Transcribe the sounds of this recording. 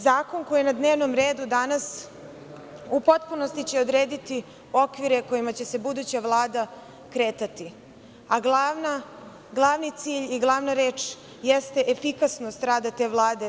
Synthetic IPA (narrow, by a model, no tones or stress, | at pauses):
zaːko̞nko̞jienad̪neʋno̞mɾe̞ːd̪ud̪anas | upo̞t̪puno̞st̪it͡ɕe̞o̞d̪ɾe̞ːd̪it̪i | o̞kʋiɾeko̞jimat͡ɕe̞se̞bud̪ut͡ɕaʋlˠaːd̪a | kɾe̞ːt̪at̪i | aɡlˠana | ɡlˠaʋnit̪siːʎiɡlˠaʋnaɾe̞ːt͡ʃ | jest̪e̞ʔefikasnost̪ɾaːd̪at̪e̞ːʋlˠaːd̪e